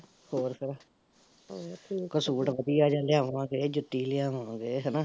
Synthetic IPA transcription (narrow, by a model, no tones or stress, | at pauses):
hoːɾpʰɪɾ | kəsuːʈʋəd̪ijaːd͡ʒãːlɪjãːʋãːɡeːd͡ʒʊt̪ːiːlɪjãːʋãːɡeːɦɛnaː